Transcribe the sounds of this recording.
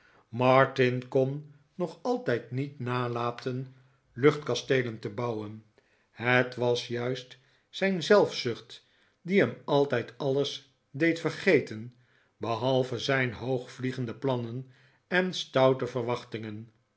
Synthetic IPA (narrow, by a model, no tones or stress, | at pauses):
mɑɹtɪnkɔnː | ɔχɑlˠtɛjtnitnaːlaːtʰən | lɵχtkɑstejləntəbɑwən | hətʋɑsjœɥst | sɛjnzɛlˠfsʏχt | diɦɛmɑlˠtɛjtɑlˠəs | dejtfərχejtən | bəɦɑlˠvəzɛjnɦowχfliχəndəplɑnən | ɛnstɑwtəvəɹʋɑχtɪŋən